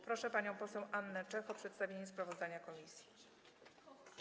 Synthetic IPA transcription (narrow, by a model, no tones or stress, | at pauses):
pɾɔʂɛpaɲɔ̃w̃pɔsɛwʔanːɛt͡ʂɛxɔpʂɛt̪st̪avʲjeɲɛspɾavɔzd̪aɲakɔmʲisʲji